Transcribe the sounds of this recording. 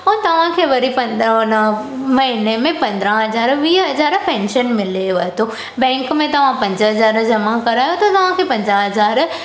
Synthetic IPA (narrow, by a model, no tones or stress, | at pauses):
ɔːɾt̪ɐʋ̤ãkʰeːʋɐɾipɐ̃nn | mɐɦinemẽpɐ̃nd̪ɾãɦɐzaːɾʋiːɦɐzaːɾpɛ̃ːnʃənmɪleʋɐet̪ʰo | bɛ̃ːŋkmẽt̪ɐʋ̤ãpɐ̃ɲd͡ʑɦɐzaːɾd͡ʑɐmakɐɾaːjot̪ʰot̪ɐʋ̤ãkʰepɐ̃ɲd͡ʑaɦɐzaːɾ